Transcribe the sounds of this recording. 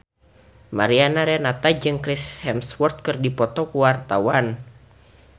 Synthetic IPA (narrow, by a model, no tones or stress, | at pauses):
maɾianaɾɛnat̪ad͡ʒɨŋkɾishɛmswɔrt̪̚kɨrdipɔt̪ɔkuwart̪awan